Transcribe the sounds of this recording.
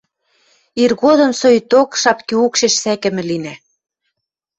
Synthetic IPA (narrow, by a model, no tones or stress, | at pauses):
irɣoðɤ̆msojt̪okʃɑpkiukʃeʃsækɘ̆mɘ̆linæ